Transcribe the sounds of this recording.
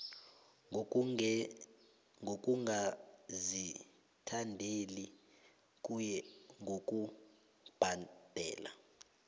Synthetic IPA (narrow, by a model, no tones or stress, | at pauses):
ŋʱok̬ʼuŋazi | tʰandʱeli | kujɛŋɡʱokʼu | b̥ʱad̥ʱɛ̰ːla̰